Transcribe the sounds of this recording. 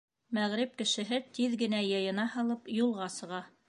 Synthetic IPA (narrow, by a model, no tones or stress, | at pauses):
mæʁɾɘp̚kɘ̆ʃɘ̆ɦɘt̪iðɡɘ̆næjɤ̆jɤ̆nɑhɑlˠɤpjulˠʁɑsɤ̆ʁɑ